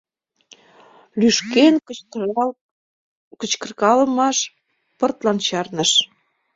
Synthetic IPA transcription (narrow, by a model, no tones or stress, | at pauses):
lyʃken | kə̆t͡ɕkə̆rkɑləmɑʃ | pə̆rt̪lɑnt͡ɕɑrnəʃ